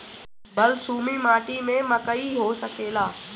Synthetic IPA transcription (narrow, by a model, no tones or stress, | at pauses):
bəlsuːmimaːʈimẽməkəiɦoːsəkeːlaː